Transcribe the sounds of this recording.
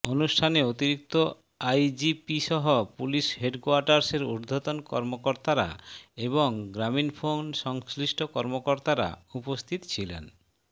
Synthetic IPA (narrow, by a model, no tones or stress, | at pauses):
onuʃʈʰaneot̪iɾik̚t̪o | ajd͡ʑipiʃɔɦopuliʃɦeɖkuaɾʈaɾseɾṵɾd̪ʱot̪onkɔ̰ɾmokoɾt̪aɾa̰eβoŋɡɾaminfʰonʃɔŋsliʃʈʰokɔɾmokoɾt̪aɾa̰upost̪ʰit̪t͡ɕʰilḛn